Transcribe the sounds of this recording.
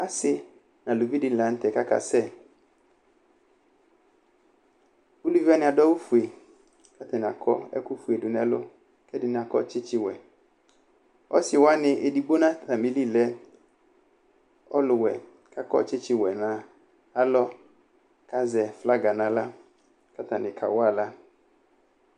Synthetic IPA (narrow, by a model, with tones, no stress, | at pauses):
a˦sɪ˦ | na˨lu˨vi˦dɪ˨n˨la˨n̩˦tɛ˨ka˦ka̰˨sɛ˦˨ | u˦lu˦vi˦a˦nɪ˦a˨dɔ˦wu˦fu˨e˨ | ka˦tɛ˨n˨a˨kʰɔ˦ɛ̰˦ku˦fu˨e˨dʊ˨nɛ˨lʊ̰˦ | kɛ˦dɪ˨nɪ˨a˨kɔ̰˦t͡ʃɪ˦t͡ʃɪ˦wɛ˨ | ɔ̰˦sɪ˨wa˦nɪ˨ʔe˨di˨ɡ͡bo˦nã˦˨ta˨mi˨li˦˨lɛ˦ | ɔ˦lʊ˨wɛ˨ | ka˦kɔ̰˦t͡ʃɪ˦t͡ʃɪ˦wɛ˨nã˨ | a˦lɔ˦ | ka˦zɛ˨fla˦ɡa˨na˨la˦ | ka˦ta˨nɪ˨kʰa̰˨wa˦˨la˦